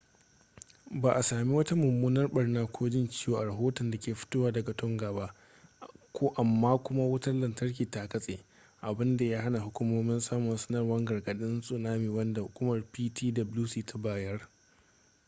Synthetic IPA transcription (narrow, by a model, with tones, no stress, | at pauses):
baː˨ʔa˨saː˨mi˦wɐ˦ta˦mʊ˨mːuː˦nɐ˦rɓɐ˨rnaː˦kʷʰoː˦d͡ʒɪ˦nt͡ʃɪ˦joː˨ʔa˨ɾɐ˨ɦoː˦tɔ˨nda˨kʲeː˨ɸɪ̥˦toː˦waː˦dɐ˨ɡa˨tʊ˦ŋɡaː˨ba˦ʔ | kʷʰoː˦ʔa˨mːaː˦kʷʊ˦ma˦wʊ˦tɐ˦rlɐ˨ntɐ˦rkʲiː˨ta˨kɐ˦sʼeː˨ | ʔa˨bɪ˦nda˨ja˦ha˦na˨ɦʊ˦kʷʊ˦moː˦mɪ˦nsaː˦mʊ˨nsɐ̥˦nɐ˦rwɐ˦ŋɡɐ˨rɡɐ˨ɗɪ˦nsʼʊ˨naː˦miː˨wɐ˦nda˨hʊ˨kʷʊ˦mɐ˨rpiː˦tʰiː˦dɐ˨bluː˦siː˦tʰa˦baː˦jɐ˦r